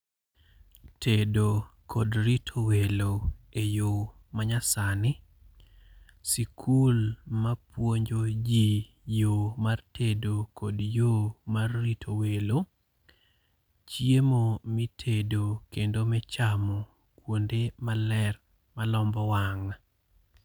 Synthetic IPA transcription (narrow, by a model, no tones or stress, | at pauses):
tedokʰodɾitʰoweloejo | maɲasanɪ | sikʰulmapwoɲd͡ʒod͡ʒi | jomartʰedokʰodjomarːitʰowelo | t͡ʃjemomitʰedokendomɛt͡ʃamɔ | kwondemalɛr | malɔmbɔwaŋa